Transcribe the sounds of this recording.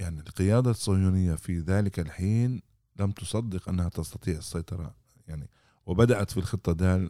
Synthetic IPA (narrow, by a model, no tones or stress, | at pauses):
jaʕnilqɪjaːd̪asˤːɑjuːnɪjːafiðaːlɪkalħiːn | lamt̪ʊsˤɑd̪ːɪqʔa̰nːahat̪ɑst̪ɑt̪ˤiːʕɪsːɑjt̪ˤɑɾˤɑ̰ | jaʕni | wɪbad̪aʔat̪filxɨt̪ˤːɑd̪aːl